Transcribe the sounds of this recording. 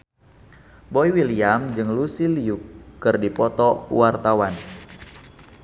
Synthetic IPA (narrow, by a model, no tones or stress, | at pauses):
bɔiwiliamd͡ʒɨŋlusiliukːɨrdipɔt̪ɔkṵwart̪awan